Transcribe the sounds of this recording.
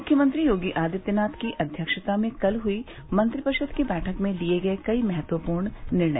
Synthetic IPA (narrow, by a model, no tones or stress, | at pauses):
mʊkʰːjəmə̃nt̪ɾijoːɡiʔaːd̪ɪt̪jənaːt̪ʰkiʔɐd̪ʱjəkʃət̪amẽkɐlɦui | mɐ̃nt̪ɾɪpɐʃəd̪kibɛːʈʰəkmẽlieɡɐekɐimɐɦət̪wəpuːɾɳnɪɾɳə̰